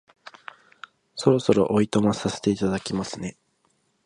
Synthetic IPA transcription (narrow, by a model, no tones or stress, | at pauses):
so̞ɾo̞so̞ɾo̞̰ʔoit̪o̞mosase̞̥t̪e̞it̪ad̪akʲimasɨne̞